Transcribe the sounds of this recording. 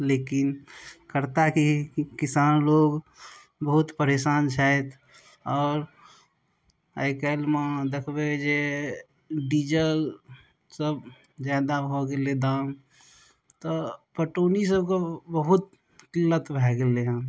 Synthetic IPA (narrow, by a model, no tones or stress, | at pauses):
leːkɪnkəɾt̪akikɪsaːnloːɡ | bəɦʊt̪pəɾeːsaːnt͡ʃʰaɛt̪ʰ | ɔːɾ | a̰ɪkelmãd̪ekʰbed͡ʒe | ɖiːd͡ʒəl | səb | d͡ʒaːd̪aɦoɡeled̪aːm | t̪ɔpəʈoːnis̬əbkabəɦʊt̪̚ | kɪlːət̪bʱɛːɡeleɦã